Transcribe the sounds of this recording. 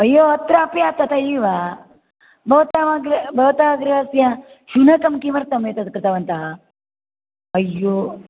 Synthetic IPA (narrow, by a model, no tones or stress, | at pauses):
ɐjːoɐt̪ɾaːpjat̪ɐt̪ɐjiʋa | bʱɐʋt̪aʋaɡɾbʱɐʋt̪aɡɾɦɐsjã | ʃunɐkɐmkimɐɾt̪ɐmjet̪ɐt̪kɾɪt̪aʋɐnt̪a | ɐjːo